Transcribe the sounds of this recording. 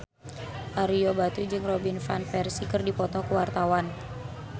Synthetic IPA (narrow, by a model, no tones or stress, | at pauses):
ʔaɾijɔbat̪ud͡ʒɨŋrɔbinfanfɛrsikɨrdipɔt̪ɔkuwart̪awan